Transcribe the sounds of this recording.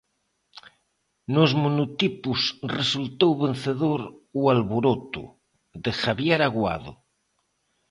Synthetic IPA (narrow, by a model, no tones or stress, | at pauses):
nozmonut̪ipusresult̪owβenθeðoɾualβoɾot̪ṵ | ðexaβjeɾaɣwa̰ðo̰